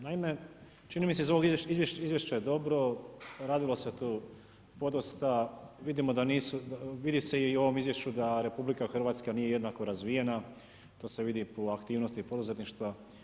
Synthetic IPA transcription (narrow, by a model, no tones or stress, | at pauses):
naime̞ | t͡ʃinimiseizo̞ʋo̞ɡiizʋjeʃizje̞ʃt͡ɕajed̪o̞bɾo̞ɾaːd̪ilose̞t̪uː | po̞d̪ost̪aʋid̪imo̞d̪aniːsuʋid̪ise̞io̞ʋo̞mizʋje̞ʃt͡ɕud̪aɾe̞publikaxr̩ʋaːt̪skanije̞je̞d̪nako̞ɾazʋije̞na | t̪o̞ːse̞ʋid̪ipoakt̪iːʋnost̪ipo̞d̪uze̞t̪niʃt̪ʋa